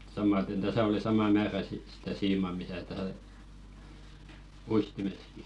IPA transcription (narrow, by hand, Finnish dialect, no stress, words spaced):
sɑmɑten tæsæ oli sɑmɑ mæːræ sit sitæ siːmɑ misæ tæ uistimeski